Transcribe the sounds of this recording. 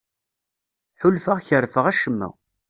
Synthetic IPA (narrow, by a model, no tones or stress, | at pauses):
ħʊlfəʁçərfəʁæʃəmːæ̰